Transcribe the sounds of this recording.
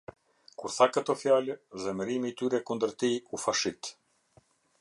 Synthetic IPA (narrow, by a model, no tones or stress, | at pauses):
kuɾθakət̪ɔfjalɛðɛməɾimiːt̪yɾɛkund̪əɾt̪iufaʃit̪